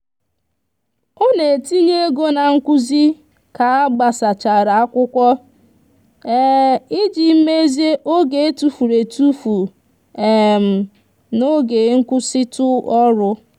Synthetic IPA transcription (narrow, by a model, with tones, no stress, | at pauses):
o˦ne˨ti˦ɲe˦ɡo˦na˨ŋ̩˦kʷu˦zi˦ | ka˨a˦ɡ͡ba˨sa˨t͡ʃa˨ɾa˨a˦kʷʊ˦kʷɔ˦ | ɛ˦i˦d͡ʒi˨m̩˦me˦ze˦ʔo˦ɡe˨e˦tu˨fu˨ɾe˨tu˦fu˨ | e˨m̩˨ | no˦ɡe˨˦ŋ̩˦kʷʊ˦sɪ˦tʊ˦ɔ˦ɾʊ˦